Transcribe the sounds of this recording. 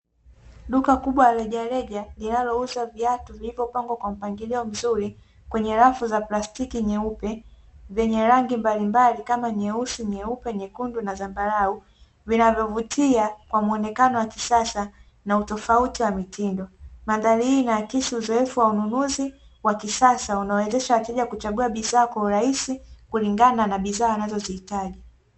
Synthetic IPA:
ɗukakuɓwalalɛʄalɛʄalinalɔuzaviatuvilivjɔpaŋɡwakwam̩paŋɡiliɔm̩zuɾi | kwɛɲɛɾafuzaplastikiɲɛupɛvjɛɲɛɾaŋɡimbalimbalikamaɲɛusuɲɛupɛɲɛkundunazambaɾau | vinavjɔvutʰiakwamuɔnɛkanɔwakisasa | nautɔfautiwamitʰindɔmandalihinakisiuzɔɛfuwaununuzi | wakisasaunaɔwɛzɛʃawatɛʄakut͡ʃaɠuaɓizaːkwauɾaisikuliŋɡananaɓizaːanazɔzihitaʄi

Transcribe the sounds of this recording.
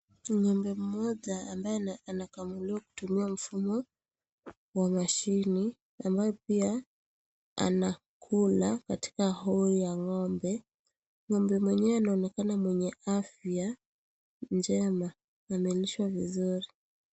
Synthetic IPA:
ɲɔmbɛm̩mɔʄaːmbajɛanakamuliwaku̥tumiam̩fumɔ | wamaʃini | ambajɔpia | a̰na | kʰulakati̥kahɔijaŋɔmbɛ | ŋɔmbɛmwɛɲɛwɛanaɔnɛkanamwɛɲɛafja | nd͡ʒɛma | amiliʃwavizuɾi

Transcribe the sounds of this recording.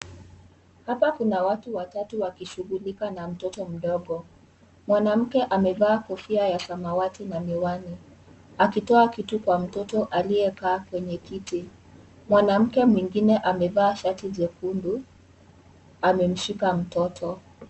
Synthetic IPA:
hapakunawatuwatatuwakiʃuɣulikanam̩tɔtɔm̩ɗɔɠɔ | mwanam̩kɛʔamɛvaːkɔfiajasamawatinamiwani | akitɔakitukwam̩tɔtɔʔalijɛkaːkwɛɲɛkiti | mwanam̩kɛmwiŋɡinɛʔamɛvaːʃatiʄɛkundu | amɛm̩ʃikam̩tɔtʰɔ

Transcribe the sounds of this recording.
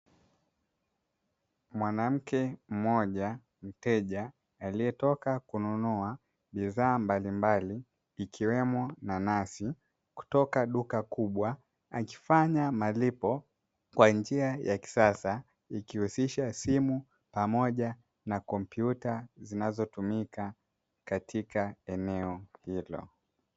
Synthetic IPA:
mwanam̩kɛm̩mɔʄa | m̩tɛʄaː | liɛtɔkakununua | ɓiðaːmbalimbaliː | kʰiwɛmɔnanasi | ku̥tɔkaɗukakuɓwa | aki̥faɲamalipɔ | kwand͡ʒiajaki̥sasa | ikihusiʃasimu | pamɔʄa | nakɔmpjutazinazɔtumika | katʰikaɛnɛɔhilɔ̰

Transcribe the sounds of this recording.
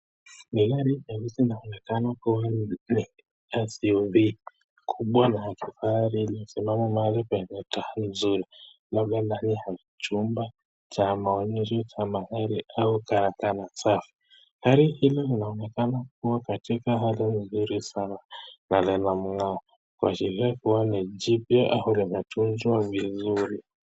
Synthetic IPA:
niɣaɾijaβisinaɔnɛkanakuwani | asiɔvi | kʰuɓwanaːkʰifaaɾilim̩simamɔmalipainɛtahalinzuɾi | laɡananihakit͡ʃumba | t͡ʃamaɔnɛʃɔt͡ʃamaɣaɾiaukaɾakanasafi̥ | haɾihilɔlinaɔnɛkanak̚uwakatikaɦalinzuɾisananalɛlam̩ŋaɔ | kua̰t͡ʃiɾiakuwanad͡ʒipjɔʔahulimɛtʰunzwavizuɾi

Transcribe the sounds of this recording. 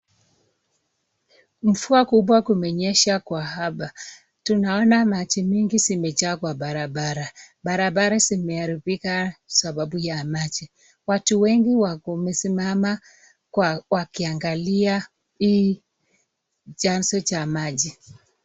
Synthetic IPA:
m̩fuakuɓwakumɛɲɛʃakwahapa | tunaɔnamat͡ʃimiŋɡisimɛt͡ʃakwaɓaɾaɓaɾaɓaɾaɓaɾasimɛaɾiβikasaɓaɓujamat͡ʃi | watuwɛŋɡiwaumɛsimama | kwawakiaŋɡalia | iː | t͡ʃansɔt͡ʃamaʄi

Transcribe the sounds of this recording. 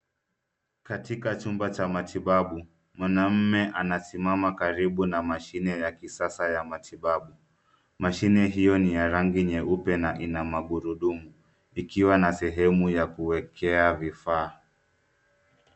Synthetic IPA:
katikat͡ʃumbat͡ʃamatʰiɓaɓu | mwanam̩mɛʔanasimamakaɾiɓunamaʃinɛjakisasajamatʰiɓaɓu | maʃinɛɦijɔnijaɾaŋɡiɲɛʔupɛnaʔinamaɠuɾuɗumu | ikiwanasɛɦɛmujakuwɛkʰɛavifaː

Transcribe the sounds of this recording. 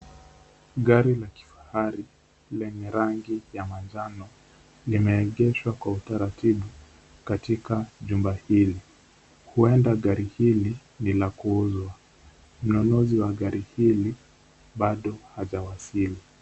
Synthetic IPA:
ɠaɾilaki̥fḁhaɾi | lɛnɛɾaŋɡijamand͡ʒanɔ | limɛːɠɛʃwakwautaɾatiɓu | katikaʄumbahili | huɛndaɠaɾihili | nilakuuzwa | m̩nɔnɔziwaɠaɾʔihili | ɓaɗɔhaʄawasili

